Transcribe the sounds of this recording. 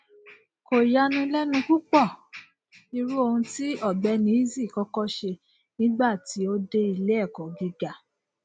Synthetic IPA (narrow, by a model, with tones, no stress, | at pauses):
ko˨ja˧˦nũ˧lɛ˦nũ˧ku˦k͡pɔ˦˨ | i˧ɾu˦o˧hũ˧ti˦ɔ˦˨bɛ˧˦nĩ˨˦i˦zi˦˨kɔ˧˦kɔ˦ʃe˧ | nĩ˦ɡ͡ba˦˨ti˨˦o˦de˦i˧le˦ɛ˦˨kɔ˨ɡi˧ɡa˨